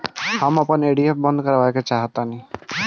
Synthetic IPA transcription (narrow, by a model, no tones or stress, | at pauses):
hamapaneɖiep̚bɔnd̪kɔɾabajket͡ʃaɦat̪ani